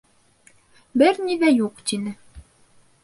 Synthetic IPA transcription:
bɘɾniðæjuqt̪inɘ

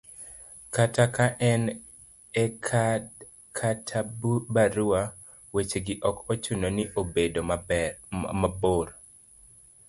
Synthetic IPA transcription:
katakaʔɛn | ɛkʰa | kʰatʰabaɾua | wet͡ʃeɡɪʔɔkot͡ʃunoniʔobedo | maboɾ

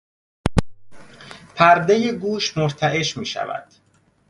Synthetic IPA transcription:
pʰæɾd̪e̞jeɡuːʃmoɾt̪ʰæʔe̞ʃmiːʃæ̰væ̰d̪̥

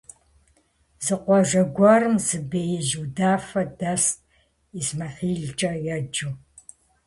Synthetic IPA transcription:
z̥ɨqʷɔʒʷɐɡʷɐrɨmzɨbeːjɪʒudaːfɐdɐst̚ʼ | izmɐχiːɮt͡ʃʼɐjɛd͡ʒu

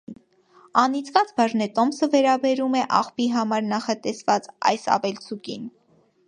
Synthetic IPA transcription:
ɑnit͡sʰvɑt͡sbɑʒnɛt̪ɔmsəvɛɾɑbɛɾumɛʔɑχpiɦɑmɑɾnɑχɑt̪ɛsvɑt͡sɑ̰jsɑ̰vɛlt͡sʰukin

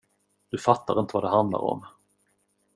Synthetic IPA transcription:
d̪ɵfat̪ːaɾɪnt̪əvad̪ɛɦand̪la̰ɾɔ̰m

